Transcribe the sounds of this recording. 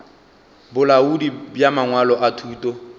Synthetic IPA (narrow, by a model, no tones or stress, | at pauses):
bʊlaudibjamaŋwalɔʔatʰuːtʼɔ